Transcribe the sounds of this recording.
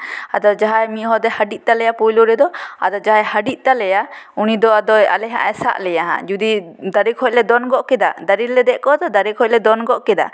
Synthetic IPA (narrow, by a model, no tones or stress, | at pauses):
ad̪ɔd͡ʒaɦajmiʔɦɔd̪ɛhaɖiʔ̚ˀt̪alɛjapujluɾɛd̪ɔa̰d̪ɔd͡ʒaɦajhaɖiʔ̚t̪alɛjaunid̪ɔad̪ɔja̰lɛɦa̰ʔɛsa̰ʔlɛjaɦã̰d͡ʒud̪id̪aɾikʰɔc̚lɛd̪ɔnɡɔʔkɛd̪a̰d̪aɾiɾlɛd̪ɛʔkɔd̪ɔd̪aɾikʰɔc̚lɛd̪ɔnɡɔʔkɛd̪a̰